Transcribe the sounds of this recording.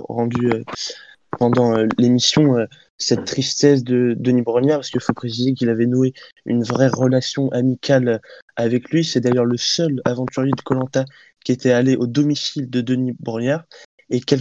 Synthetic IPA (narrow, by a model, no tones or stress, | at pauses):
ʁɑ̃d̪yø | pɑ̃d̪ɑ̃ølemisjɔ̃ø | sɛt̪ːχist̪ɛs̬d̪əd̪ənibʁənjaʁpaskifopχesizek̬ilavɛnuey̰nvʁɛʁəlasjɔ̃ʔamikʲʰalavɛklɥisɛd̪ajœʁləsœlavɑ̃t̪yʁjed̪əkɔlɑ̃t̪a | kʲiet̪ɛaleʔod̪ɔmisild̪əd̪ənibʁənjaʁ | ekʲɛl